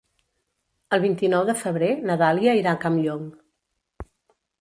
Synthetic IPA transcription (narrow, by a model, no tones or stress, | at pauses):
əlˠβ̞int̪inɔwðəfəβ̞ɾenəðaliəiɾakamʎoŋ